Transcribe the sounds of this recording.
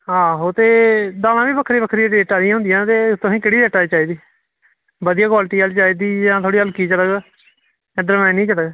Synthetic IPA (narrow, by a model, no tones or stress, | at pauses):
ɦãːɦoːt̪eːd̪aːlãːʋiːbəkʰɾiːbəkʰɾiːɖeːʈaːd̪ɪjãːɦʊ̃nd̪ɪjãːt̪eːt̪ʊ̃sĩːkɪɽiːdeːʈaːiːt͡ʃaːiːd̪iː | bəd̪ijãːkwaːlʈiːalt͡ʃaːiːd̪iːd͡ʒãːt̪ʰoːɽiːəlkiːt͡ʃəɽəɡ | ɖ̪əɾmɛnĩːt͡ʃəɽəɡ